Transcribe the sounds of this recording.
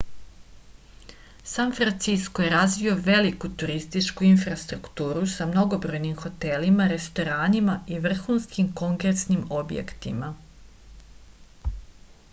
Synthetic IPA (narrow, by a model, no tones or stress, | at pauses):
sanfɾant̪sisko̞je̞ɾazʋio̞ʋe̞likut̪uɾist̪it͡ʃkuinfɾast̪ɾukt̪uːɾusamno̞ɡo̞bɾo̞jnimxo̞t̪e̞limaɾe̞st̪o̞ɾaːnimaiʋr̩xuːnskimko̞ŋkesnimo̞bjḛkt̪ḭma